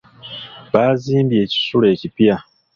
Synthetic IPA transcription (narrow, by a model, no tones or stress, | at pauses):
βaːziːmbje̞ːci̥sule̞ːcipja